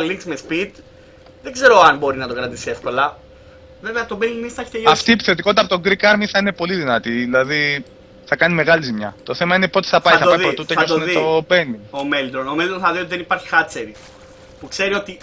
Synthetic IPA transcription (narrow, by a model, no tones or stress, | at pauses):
ɐliŋksmespit̪ | ðeɡze̞ɾo̞ɐnbo̞ɾinɐt̪o̞kɾɐt̪isie̞fko̞lɐ | ve̞veɐt̪o̞benimisθɐeçi̥t̪ejɐft̪iːpi̥θet̪ikoit̪ɐpot̪o̞ŋɡɾikɐɾmiθɐine̞po̞liðinɐt̪iðilɐði | θɐkɐnime̞ɣɐlizimɲɐ̰t̪o̞θe̞mɐinepo̞t̪i̥θɐpɐjθɐɐiðpɾot̪utt̪ɐɐosouneiobe̞niomeld̪ɾono̞meld̪ɾonθɐðio̞t̪iðenipɐɾçi̥xɐt͡seɾi | pukse̞ɾio̞t̪i